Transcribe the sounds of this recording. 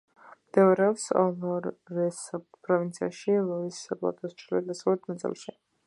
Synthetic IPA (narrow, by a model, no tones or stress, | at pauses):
md̪̥ɛɾɛɔpsɔ̰lɔɾːɛs | pʼɾɔvint̪sʰia̰ʃilˠɔisapʼlˠa̰t̪ʼɔst͡ʃʰɾiliɛd̪asavlɛt̪ʰnat̪sʼɛ̰lˠʃi